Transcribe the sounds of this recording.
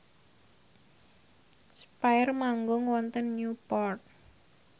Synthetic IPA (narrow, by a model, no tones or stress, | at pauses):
spajrmaŋɡʊŋwɔnt̪ənːupɔrt̪̚